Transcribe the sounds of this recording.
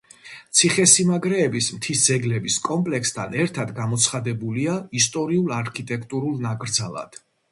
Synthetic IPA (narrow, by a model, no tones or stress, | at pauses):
t̪sʰiχɛsimaɡɾɛːbismt̪ʰisd̪zɛɡlɛbiskʼɔmpʼlɛkst̪ʰanɛɾt̪ʰad̪ɡamɔt̪sʰχad̪ɛbuliaist̪ʼɔɾiulˠaɾkʰit̪ʼɛkʰt̪ʼuɾulˠnakʼɾd̪zalˠa̰d̪̥